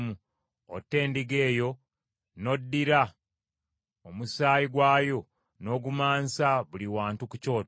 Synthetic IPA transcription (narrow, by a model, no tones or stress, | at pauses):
mu | o̰tːe̞ːndiɡe̞ːjo̞ | no̞dːiɾa | omusaːjiɡwaːjo̞ | no̞ɡumaːnsaβuliwaːntuku̥co̞ːt